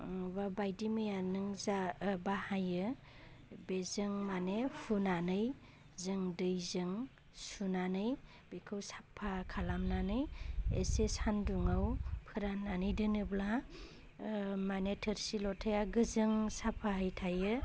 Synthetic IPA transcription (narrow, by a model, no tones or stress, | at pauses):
babajdimɯjanɯŋzabahajɯ | bezɯŋmanepʰunanɯj | zɯŋdɯjzɯŋ | sunanɯj | b̥ekʰɯwsḁpʰːakʰalamnanɯjḛsesanduŋawpʰɯɾamnanɯjdɯnɯbla | manetʰəɾsilɔtʰajaɡɯzɯŋsapʰːaɦajtʰajɯ